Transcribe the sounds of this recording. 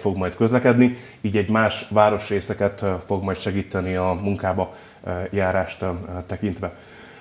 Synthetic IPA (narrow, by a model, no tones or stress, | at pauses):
fo̞ɡmɒjt̪kø̞zlɛkɛd̪ni | iːɟɛɟmaːʃʋaːɾo̞ʃreːsɛkɛt̪fo̞ɡmɒjt̪ʃɛɡiːt̪ɛniɒmuŋkaːbɒ | jaːɾaːʃt̪t̪ɛkint̪ʋɛ